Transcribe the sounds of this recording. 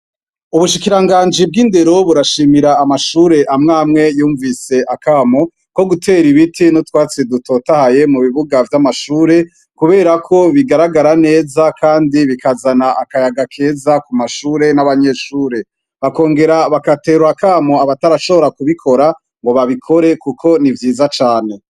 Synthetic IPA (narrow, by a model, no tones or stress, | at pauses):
uβuʃikiɾaŋɡaːnd͡ʒib̚ɡiːnde̞ɾo̞βuɾaʃiːmiɾaːmaʃuːɾe̞ʔamŋaːmŋe̞juːɱvise̞ʔakaːmo̞ | ko̞ɡutʰe̞ɾiβitʰinotwaːt͡sedutʰo̞tahaje̞muβiβuɡavjamaʃuːɾe̞ | kuβe̞ːɾakʰo̞βiɡaɾaɡaɾane̞ːzakʰaːndiβikazanaʔakajaɡakʰe̞ːzakumaʃuːɾe̞naβaɲe̞ːʃuːɾe̞ | βako̞ːŋɡe̞ɾaβakate̞ːɾuɾakaːmo̞aβataɾaʃo̞βo̞ɾakuβikʰo̞ɾa | ŋɡo̞βaβikʰo̞ɾe̞kukʰo̞nivjiːzat͡ʃaːne̞